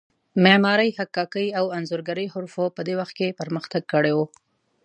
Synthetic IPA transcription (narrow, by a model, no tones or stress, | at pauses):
memɑɾəjhakːɑkəjawanzʊɾɡaɾəjɦʊɾfopəd̪ewaxt̪̚kepəɾməxt̪aɡ̚kəɽewo